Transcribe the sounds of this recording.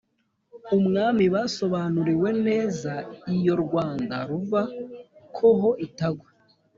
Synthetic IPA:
umŋaːmiβaso̞βaːnuɾiwe̞ne̞ːzaijo̞ɾɡwaːnda̰ɾuvakʰoɦo̞ʔitaɡwe

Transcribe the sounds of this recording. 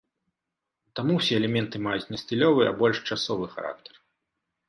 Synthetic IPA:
t̪amuwsʲɛɛlʲɛmʲɛnt̪ɨmajut͡sʲnɐsʲt̪ʲɨlʲɔvɨɐ̰bɔlʲʂt͡ʂasɔvɨxa̰ɾa̰k̚t̪ɐ̥r

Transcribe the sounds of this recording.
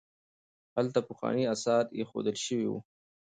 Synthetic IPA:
halt̪apʊxwɑ̰niasɑɾt̪jexo̰d̪əlʃəwiwṵ

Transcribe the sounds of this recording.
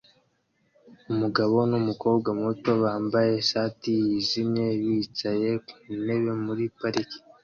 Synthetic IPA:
umuɡaβo̞numuko̞ːbɡamuto̞βaːmbaje̞ʃaːtijizimɲe̞βit͡ʃaje̞ku̥ne̞βe̞muɾipaɾiki̥

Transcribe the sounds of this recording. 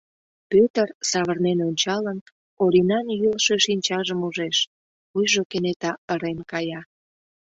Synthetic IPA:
pøt̪ərsɑβərnenonʲt͡ɕɑlən | oɾinɑnjylʃeʃinʲt͡ɕɑʒəmuʒeʃ | ujʒokenet̪ɑəɾenkɑjɑ

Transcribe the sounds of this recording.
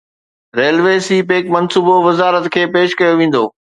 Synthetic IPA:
ɾeːlʋeːsiːpeːkmɐnsuːboʋɪzaːɾət̪kʰeːpeːʃkɐjoʋẽːn̆d̪o̰ː

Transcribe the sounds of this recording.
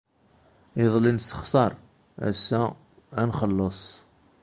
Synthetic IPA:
eðˤlinsə̥χsˤɑɾˤ | æ̰sːæː | nχəlːəsˤ

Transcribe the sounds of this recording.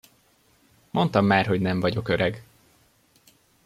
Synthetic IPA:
mʔo̞nt̪ɒmːaːrɦo̞ɟnɛɱvɒɟo̞køɾɛɡ

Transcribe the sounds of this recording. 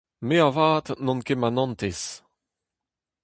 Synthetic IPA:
meavaːt̪nɔ̃nkemanɑ̃nt̪es

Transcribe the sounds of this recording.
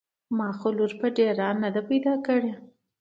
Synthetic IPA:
mɑxoluɾpəɖeɾɑnːad̪apajd̪ɑkəɽe

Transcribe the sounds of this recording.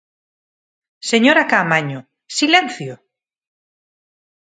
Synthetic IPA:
seɲoɾakamaɲʊ | silɛn̟θjo

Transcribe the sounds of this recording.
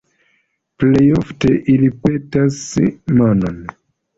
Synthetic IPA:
plejofteʔilipe̞tasmanon

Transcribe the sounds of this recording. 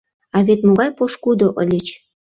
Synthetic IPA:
ɑβet̪moɣɑjpoʃkud̪oʔə̰lʲet͡ɕ

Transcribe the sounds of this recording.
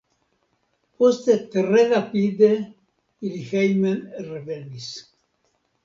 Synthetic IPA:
post̪et̪erenapid̪e | ilixejmenrevenis

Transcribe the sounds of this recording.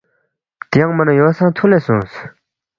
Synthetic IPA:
t̪ejaŋmənəjosʰaŋt̪ʰolesoŋs

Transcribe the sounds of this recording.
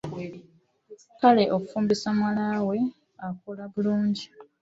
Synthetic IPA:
kale̞ʔokufuːmbisamwalawe̞ | akulaβuluːɲɟi

